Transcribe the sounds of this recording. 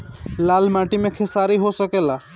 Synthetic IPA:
lalmaʈimekʰesaɾiɦosəkela

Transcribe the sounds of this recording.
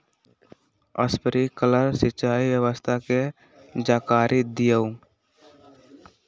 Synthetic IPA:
ə̰spəɾikələɾsɪtːt͡ʃʃaːiwjəwəst̪ʰake | d͡ʒaːkaːɾʔid̪ijəu

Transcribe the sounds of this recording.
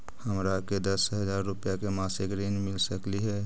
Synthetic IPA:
həmɾaked̪əsɦəd͡ʒaːɾːʊpjakemaːsɪkɾeːnmɪlsəkliɦɛː

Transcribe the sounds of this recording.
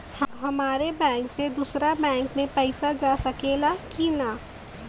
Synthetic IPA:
hɦɐmaːɾebɛ̃ːŋksed̪uːsɾabɛ̃ːŋkmẽpɛɪsad͡ʒaːsɐkeːlakina

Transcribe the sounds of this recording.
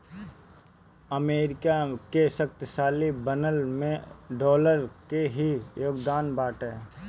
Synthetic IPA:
əmeːɾɪkakesɐkt̪ʃaːlibənəlmẽɖɔːləɾkeɦijoːɡd̪aːnbaːʈɛː

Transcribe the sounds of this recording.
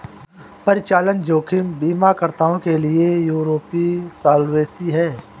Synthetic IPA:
pɐɾɪt͡ʃaːlənd͡ʒoːkʰɪmbiːmakəɾt̪aːõkelɪejuːɾoːpisaːlweːsiɦɛː

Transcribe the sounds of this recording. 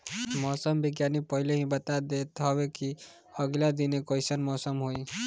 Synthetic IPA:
mɔsəmbiɡjanipəɦileɦĩbət̪ad̪et̪ɦɔbeki | əɡlad̪inekɔjsənmɔsəmɦoi

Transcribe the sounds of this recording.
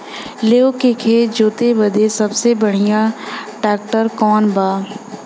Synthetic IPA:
leokekʰed͡ʒoːt̪ebɐd̪esɐbsebɐɽ̤ijãʈɛːk̚ʈəɾkɔːnbaː

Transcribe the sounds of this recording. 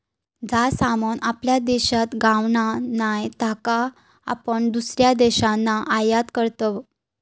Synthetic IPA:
d͡zasamonʔapljad̪eɕat̪ɡãʋɳanajt̪aka | a̰pəɳd̪usɾjad̪ɛɕanːaʔajat̪kəɾt̪əʋ

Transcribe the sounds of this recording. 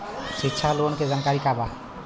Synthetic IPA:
sikːt͡ʃʰaloənked͡ʒankaɾikaba

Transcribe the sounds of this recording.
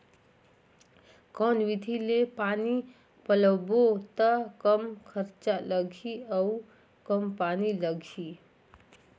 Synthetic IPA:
kɔnwid̪ʱilepani | pələbot̪əkəmkʰəɾt͡ʃaləɡʱiəu | kəmpaniləɡʱi

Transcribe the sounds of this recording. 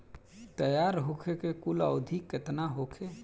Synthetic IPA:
t̪əjaːɾɦokʰekekulə̰ʊd̪ʱikːet̪naɦokʰe

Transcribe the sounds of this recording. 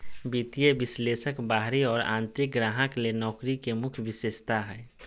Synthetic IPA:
bit̪ijəbɪsleːsəkbaːɦɾiɔːɾã̰ːnt̪ɾɪk̚ɡɾaːɦəklenɔːkɾikemʊkʰjʋɪsɪst̪aɦɛː

